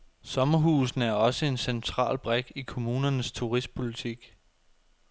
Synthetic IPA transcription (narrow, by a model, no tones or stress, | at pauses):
sɒ̽mɐɦuːsn̩æɐɒ̽səe̝nsent͡sʰʁɑ̰̈ːlb̥ʁɛɡ̥ikʰo̝muːnɐnəst͡sʰuʁisd̥̚pʰo̝lit͡sʰiɡ̥